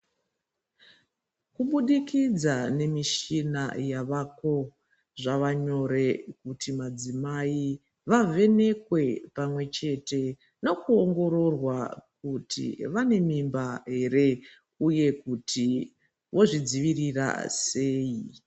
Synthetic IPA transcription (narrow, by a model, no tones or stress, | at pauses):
kuɓuɗikid͡zane̞miʃina̰jaʋako̞ | ʐaʋaɲo̞ɾe̞kutʰimad͡zimai | ʋavʱe̞ne̞kwe̞pamwe̞t͡ʃe̞te̞ | no̞kuoŋɡo̞ɾo̞rwak̚utʰḭʋane̞mimbaɦe̞re̞ | uje̞kutʰi | ʋʔo̞ʐid͡ziʋirira̰se̞ːi